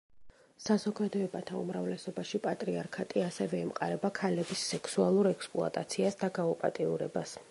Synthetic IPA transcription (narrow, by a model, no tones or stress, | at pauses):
sazɔɡad̪ɔɛbat̪ʰaṵmɾavlɛsɔbaʃipʼat̪ʼɾiaɾkʰat̪ʼiasɛvɛɛmqʼa̰ɾɛbakʰalɛbisːɛkʰsualˠuɾɛkspʼlˠṵa̰t̪ʼat̪sʰiasd̪aɡaupʼa̰t̪ʼiuɾɛ̰bas